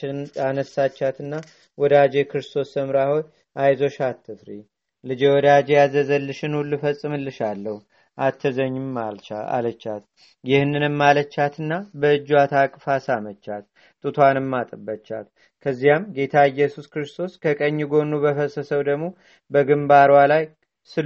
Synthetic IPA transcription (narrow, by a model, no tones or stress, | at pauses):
anəsːat͡ʃːat̪ɨnːa | wɔd̪ad͡ʒe̞kʰɾɨst̪ʰo̞st̪ʰəmɾaho̞j | ʔajzo̞ʃat̪ʰːɨfɾi | lɨd͡ʒewɔd̪ad͡ʒejazəzəlːɨʃɨnulːufəsʼːɨmɨlːɨʃalːəhu | ʔat̪ʰːəzəɲːɪmːalt͡ʃaa̰lət͡ʃːat̪̚ | jɪhnːɨnɨmːalət͡ʃːat̪ʰɨnːabəɨd͡ʒːwat̪ʰakʼfasamət͡ʃːat̪̚ | t̪ʼɨt̪ʰwanɨmːat̪ʼɨbət͡ʃːa̰l | kʰəzːijamɡe̞t̪ʰaɨjːɛsuskɾɨst̪ʰo̞skʰəkʼəɲːiɡo̞nːubəfəsəsəwd̪əɡmo̞ | bəɡɨmbaɾwalaj | sɨ